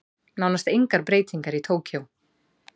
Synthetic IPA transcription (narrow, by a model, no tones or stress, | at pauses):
nawnast̪ejŋkaɾpɾeːjt̪iŋkaɾit̪ʰoːwcʰow